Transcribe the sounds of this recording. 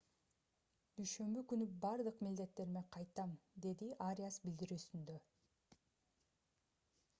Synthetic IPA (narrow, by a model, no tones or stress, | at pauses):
d̪̥yjʃø̞mbykynybɑɾd̪ɯqmild̪e̞t̪ːe̞ɾme̞qʰɑjt̪ɑmd̪e̞d̪iʔaɾʲijasbild̪iɾyːsynd̪ø